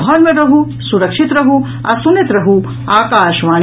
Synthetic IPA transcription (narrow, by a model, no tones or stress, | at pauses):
ɦɔnmeɾɾɐɦu | suɾɐkʂit̪ɾɐɦu | ɐsunet̪ɾɐɦu | aːkaːʃʋaːɳ